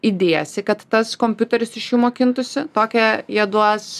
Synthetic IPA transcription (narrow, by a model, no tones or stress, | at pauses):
id̪ʲeːjɛsʲɪkɐt̪ːɐskoːmʲpʲuːt̪ʲɛɾʲɪsɪʃjuːmoːkʲɪnt̪ʊsʲɪt̪oːkʲɛjiɛd̪uɔs